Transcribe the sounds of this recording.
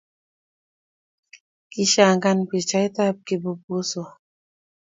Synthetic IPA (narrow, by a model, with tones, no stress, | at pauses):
ki˦ʃa˨ŋɡa˦npi˨t͡ʃa˦i˦ta˦p̚ki˨bu˨po˦sɔ˨